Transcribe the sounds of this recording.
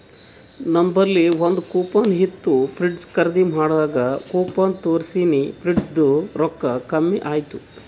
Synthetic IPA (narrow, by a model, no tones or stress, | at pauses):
nɐmbɐɾlːiʋond̪ukuːpaːnɦit̪ːupʰɾiɖskɐɾd̪im̤aːɽaːɡɐkoːpaːnt̪oːɾsiːnipʰɾiɖd̪uɾɔkːɐkɐmːiʔaːjt̪u